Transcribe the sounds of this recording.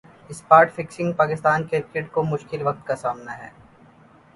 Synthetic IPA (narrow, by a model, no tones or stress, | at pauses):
ɪspaːɾʈfɪksɪ̃ŋɡpaːkɪst̪aːnkɪɾkeʈkomʊʃkɪlʋɐk̚t̪kasaːmnaɦɛ̰ː